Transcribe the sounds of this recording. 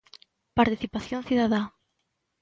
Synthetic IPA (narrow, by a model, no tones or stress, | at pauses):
paɾt̪iθipaθjõnθiðaða